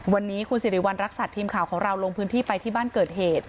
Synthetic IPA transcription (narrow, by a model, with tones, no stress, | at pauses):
wa˧nːiː˦˥kʰu˧nsiː˨˩˦ɾi˩˦wa˧nɾa˦˥k̚saː˨˩t̪ʰiː˧mkʰaː˨˩wkʰɔː˩˦ŋɾa˧wloː˧ŋpʰɯː˦˥nt̪ʰiː˥˩pa˧jt̪ʰiː˥˩baː˥˩nkɤː˨˩t̪̚heː˨˩t̪̚